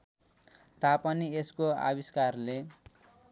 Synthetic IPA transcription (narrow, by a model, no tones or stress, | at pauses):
t̪apʌnieskoa̰biskarle